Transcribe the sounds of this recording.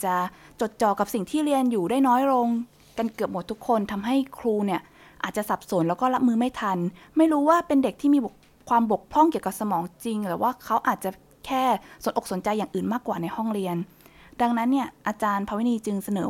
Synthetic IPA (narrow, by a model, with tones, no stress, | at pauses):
t͡ɕa˨˩t͡ɕo˨˩t̪̚t͡ɕɔː˨˩kːa˨˩p̚si˨˩ŋt̪ʰiː˥˩ɾi˧ənjuː˨˩daː˥˩jnɔː˦˥jɾo˧ŋ | ka˧nkɯ˨˩əp̚mo˩˦t̪ʰːu˦˥kʰːo˧nt̪ʰa˧mɦa˥˩jkʰɾuː˧ni˥˩ɐ | ʔa̰ː˨˩t̪̚t͡ɕa˨˩sa˨˩p̚so˩˦nlɛː˦˥wkɔː˥˩la˦˥p̚mɯː˧ma˥˩jt̪ʰa˧n | ma˥˩jɾuː˦˥waː˥˩pe˧nde˨˩k̪̚ʰiː˥˩miː˧bo˨˩k̚ | kʰwaː˧mbo˨˩k̚pʰɔ˥˩ŋki˨˩əwka˨˩p̚sa˧mɔː˩˦ŋt͡ɕi˧ŋɾɛː˩˦wʔaː˥˩kʰa˦˥wʔaː˨˩t̪̚t͡ɕa˨˩ | kʰɛː˥˩so˩˦nʔo˨˩kso˩˦nt͡ɕa˧jːaː˨˩ŋʔɯː˨˩nmaː˥˩kːwaː˨˩na˧jhɔ˥˩ŋɾi˧ən | da˧ŋna˦˥nːi˥˩əʔa˧t͡ɕaː˧npʰa˧wi˦niː˧t͡ɕɯ˧ŋsa˧nɤː˩˦